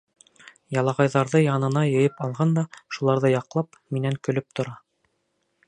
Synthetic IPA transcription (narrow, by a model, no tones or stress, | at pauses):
jɑlˠɑʁɑjðɑɾðɤjɑnɤ̆nɑjɤ̆jɤpɑlˠʁɑnd̪ɑʃulˠɑɾðɤjɑqlˠɑp | minæŋkɵ̆lɵp̚t̪ŏɾɑ